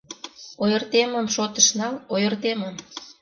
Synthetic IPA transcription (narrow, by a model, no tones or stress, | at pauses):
ojə̆rt̪eməmʃot̪əʃnɑlojərt̪eməm